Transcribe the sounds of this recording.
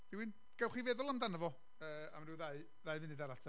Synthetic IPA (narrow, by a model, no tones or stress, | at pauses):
d̥iwɪn | ɡ̥ɛwχivɛðʊlˠamdanəvɔ | əːamrɪðaɨ | ðaɨvɪnɪdaɾatʰa